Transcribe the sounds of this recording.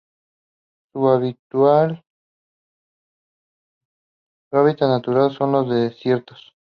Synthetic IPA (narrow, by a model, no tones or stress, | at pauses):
suaβit̪wal | aβit̪anat̪uɾalso̞nlozðesjeɾt̪os